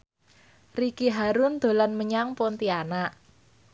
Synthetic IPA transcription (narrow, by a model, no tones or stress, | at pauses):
rikiɦaɾʊnd̪̥o̤lanməɲaŋpɔnt̪ianaʔ